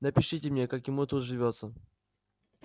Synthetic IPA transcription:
nəpʲɪʂɨtʲɪmnʲekakjɪmut̪ut̪ʐɨvʲot̪sə

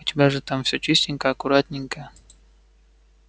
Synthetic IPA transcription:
xʊtʲɪbʲaʐɨt̪amfsʲɵt͡ɕisʲtʲɪŋʲkəɐkʊɾat̪ʲnʲɪŋkə

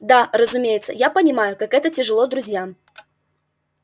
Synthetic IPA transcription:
d̪arəzʊmʲejɪt̪sːə̰japənʲɪmajʊkakɛt̪ətʲɪʐɨlˠod̪ɾʊzʲjam

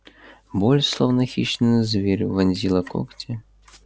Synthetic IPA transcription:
bɔlʲslˠɔwnɐxʲiʂnɨjɨzʲvʲeɾʲuvɐnʲzʲilˠɐkɔ̰kt͡sʲɛ

